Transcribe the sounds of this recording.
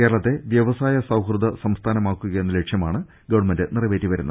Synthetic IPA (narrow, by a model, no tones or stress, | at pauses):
keːɾɐɭɐt̪ːe̞ʋjɐʋɐsaːjɐsɐwkrɨd̪ɐsɐmst̪ʰaːnɐmaːkːuɣɐjenːɐleʈʂjɐmaːɳɨ | ɡɐʋɐɳmendɨnirɐʋe̞ːtːiʋɐɾunːɐ